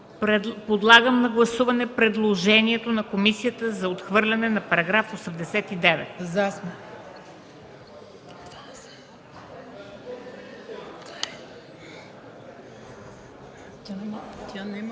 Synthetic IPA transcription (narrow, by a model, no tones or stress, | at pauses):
pod̪lˠaɡəmnɐɡlˠɐsuvɐnɛpɾɛd̪lˠoʒɛniɛt̪onɐkomisijət̪əzɐot̪xvɤɾlʲɐnɛnɐpɐɾɐɡɾafosɛmd̪ɛsɛt̪id̪ɛvɛ̰t̪zasm | t̪ʲan